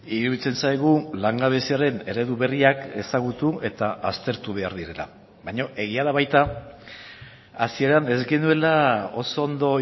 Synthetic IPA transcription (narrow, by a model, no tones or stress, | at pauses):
iɾuβit͡se̞nsajɣulaŋɡaβesiaɾe̞ne̞ɾe̞ðuβe̞riake̞saɣut̪ue̞t̪aʔast̪e̞ɾt̪uβe̞aɾðiɾe̞la̰ | βajɲo̞ʔe̞ɣ̞iaðaβajt̪a | asie̞ɾane̞zɡe̞nue̞lao̞̰so̞ːnd̪o̞